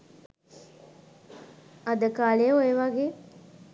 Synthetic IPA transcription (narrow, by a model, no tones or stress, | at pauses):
ad̪əkaːleoeʋaɡeː